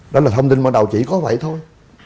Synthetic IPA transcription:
ɗɔ˨˦laː˨˩˧ŋ͡mt̪i˧nɓa̰ː˧˨ɗa˨˩wt͡ɕḭ˧˨kɔ˨˦və̰˧˨jt̪ʰo˧j

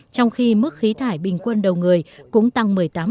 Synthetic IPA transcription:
t͡ɕɔ˧wŋ͡mxi˧mɨ˦˥k̚xi˨˦t̪ʰaː˧˩jɓï˨˩ŋ̟kwə˧nɗə˨˩wŋɨ˨˩əjkʊ̰˧˥ŋ͡mt̪a˧ŋmɨ˨˩əjt̪aː˨˦m

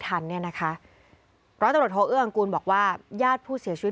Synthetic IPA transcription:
t̪ʰa˧nːi˥˩ɐna˦˥kʰa˦˥ʔ | pʰɾɔ˦˥a˧ɾt̪̚hoː˦˥ʔɯ˥˩ʔa˧ŋkuː˧nbɔː˨˩k̚waː˥˩jaː˥˩t̪̚pʰuː˥˩si˨˩˦t͡ɕʰw

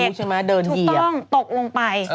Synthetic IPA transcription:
t͡ɕʰa˧maː˦˥dɤː˧nn˩ji˨˩tɔ˥˩ŋt̪o˨˩k̚lo˧ŋpa˧j

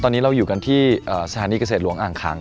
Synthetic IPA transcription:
t̪ɔː˧niː˦˥ɾa˧wjuː˨˩ka˧nt̪ʰiː˥˩ʔəː˨˩sa˧aː˩˦niː˧ka˧s̬eː˨˩t̪̚lu˩˦əŋʔaː˨˩ŋkʰa̰ː˩˦ŋ

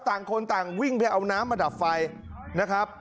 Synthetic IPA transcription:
t̪aː˨˩ŋkʰo˧nt̪aː˨˩ŋwi˥˩ŋpa˧jʔa˧wnaː˦˥mːaː˧da˨˩p̚fa˧j | na˦˥kʰɾa˦˥p̚

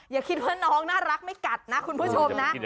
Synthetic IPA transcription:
jaː˨˩kʰi˦˥t̪̚waː˥˩nɔː˦˥ŋnaː˥˩ɾa˦˥k̚ma˥˩jka˨˩t̪̚na˦˥kʰu˧npʰuː˥˩t͡ɕʰo˧mmna˦˥ʔ

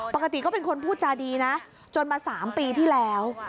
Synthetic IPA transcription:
pa˨˩ka˧t̪i˨˩kɔː˥˩pe˧nkʰo˧npʰuː˥˩t̪̚t͡ɕaː˧diː˧na˦˥ | t͡ɕo˧nmaː˧saː˩˦mpiː˧t̪ʰiː˥˩lɛː˦˥w

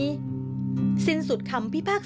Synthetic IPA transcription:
si˧˥nsu˨˩t̪̚kʰa˧mpʰi˥pʰaː˥˩k̚

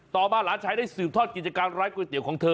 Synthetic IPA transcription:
t̪ɔː˨˩maː˧laː˨˦nt͡ɕʰaː˧˥jda˥˩sɯː˨˩p̚t̪ʰɔː˥˩t̪̚ki˨˩t̪̚t͡ɕa˧kaː˧nɾaː˦˥jkwe˧t̪i˨˦wkʰɔː˩˦ŋt̪ʰɤː˧

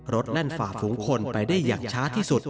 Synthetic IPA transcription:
ɾo˦˥t̪̚na˥˩nfaː˨˩fuː˩˦ŋkʰo˧npa˧jdaː˥˩jːaː˨˩ŋt͡ɕʰaː˦˥t̪ʰiː˥˩su˨˩t̪̚

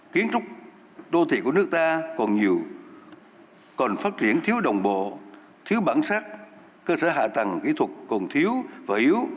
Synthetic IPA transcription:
ki˨˦ənt͡ɕʊ˦˥k͡p̚ | ɗo˧t̪ʰḭ˧˨˩ku˧˩əɨ˦˥ək̚t̪aː˧kɔ˨˩nɲi˨˩əw | kɔ˨˩nfaː˦˥t̚t͡ɕi˧˩ənt̪ʰi˨˦əwɗə˨˩wŋ͡mɓo̰˧˨ | t̪ʰi˨˦wɓaː˧˩nsaː˦˥k̚ | kəː˧səː˧˩ɦa̰ː˧˨t̪ə˨˩ŋkḭ˧˥t̪ʰwə˨˩kkɔ˨˩nt̪ʰi˨˦əwvaː˨˩ʔi˨˦əw

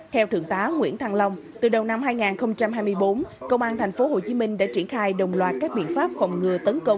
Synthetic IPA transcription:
t̪ʰɛ˧wt̪ʰɨ˧˩əŋt̪aː˨˦ŋwḭ˧˥ənt̪ʰa˧ŋlə˧wŋ͡mt̪ɨ˨˩ɗə˨˩wna˧mhaː˧jŋaː˨˩nxə˧wŋ͡mt͡ɕa˧mhaː˧jmɨ˧əjɓo˨˦nkə˧wŋ͡mʔaː˧nt̪ʰɛ˨˩ŋ̟fo˨˦ɦo˨˩t͡ɕi˨˦mï˧ŋ̟ɗa̰ː˧˥t͡ɕi˧˩ənxaː˧jɗə˨˩wŋ͡mlwaː˨˩t̚kaː˦˥k̚ɓḭ˧˨ənfaː˦˥p̚fɔ˨˩wŋ͡mŋɨ˨˩ət̪ə˨˦nkə˧wŋ͡m

